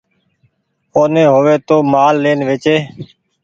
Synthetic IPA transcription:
oːnẽːɦoːʋeːt̪oːmaːlːeːnʋeːt͡ʃeː

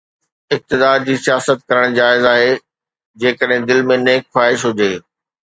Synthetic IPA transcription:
ɪk̚t̪ɪd̪aːɾd͡ʑiːsijaːsət̪̚kɐɾəɽ̃d͡ʑaːɪzaːɦeː | d͡ʑeːkəɗɦɪ̃d̪ɪlmẽneːkxwaːɦɪʃɦʊd͡ʑeː

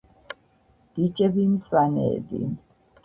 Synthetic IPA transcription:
d̪̥it͡ʃʼɛbimt̪sʼwanɛ̰ːbḭ

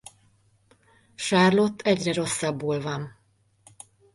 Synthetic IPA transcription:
ʃaːrlo̞t̪ʰːɛɟrɛɾo̞sːɒbːoːlvɒn

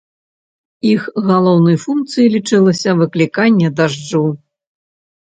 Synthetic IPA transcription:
ixɣalˠɔwnɐjfunkt̪sɨjilʲit͡ʂɨlˠɐsʲɐvɨklʲikanʲːɛd̪aʐd͡ʐɨw

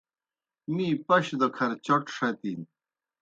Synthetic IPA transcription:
miːpɐɕd̪okʰɐɾt͡ɕoʈʂɐt̪in

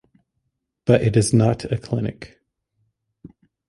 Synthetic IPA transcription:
b̥ʌɾɨɾɨznəɾɨkʰl̥ɪnɨ̰k

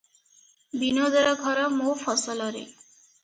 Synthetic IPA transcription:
binod̪ɔɾɔɡʱɔɾɔmofɔsɔlɔɾḛ

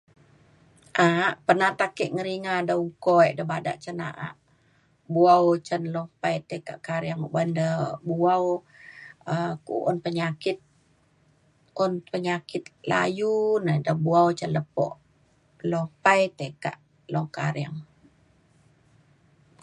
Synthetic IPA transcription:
ʔaʔpənaht̪akɛʔŋəɾiŋadauŋkɔiʔdəbada̰ʔt͡ʃəna̰ʔa̰ʔ | buawt͡ʃənlɔmpajt̪əka̰ʔkaɾiaŋbandəbuaw | əkṵʔɔnpəɲakit̪̚ | ɔnpəɲakit̪̚la̰junadəbuawt͡ʃənləpɔ̰ʔ | lɔpajt̪əka̰ʔ | lɔŋkaɾjaŋ

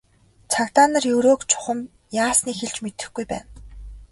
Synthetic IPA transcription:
t͡sʰakt̪aːnə̆rjɵɾoːkt͡ɕʰʊ̥χə̆m | jaːsniːxeɮt͡ɕmet̪ɘ̆xɡujpæ̰ːn

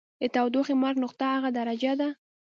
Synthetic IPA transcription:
d̪ət̪awd̪oxemaɾɡnʊqt̪aaɣad̪aɾad͡ʒad̪a

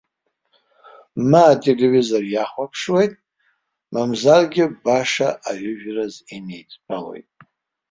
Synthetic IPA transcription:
maːtʰelevizorjaχʷapʰʂwe̞jtʼ | mamzarɡʲɪbaʂaʔaʕʊʒᶣrazinejt͡sʼpʰʼalo̞̰jtʼ

